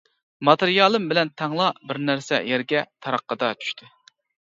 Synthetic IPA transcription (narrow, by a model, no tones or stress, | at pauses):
mɑt̪eɾjɑlˠɨmbɪlɛnt̪ʰɑŋlˠɑbɪɾnæɾsɛ̰jæɾɡʲɛt̪ʰɑɾɑqʰːəd̪ɑt͡ʃʰy̥ʃt̪ʰɪ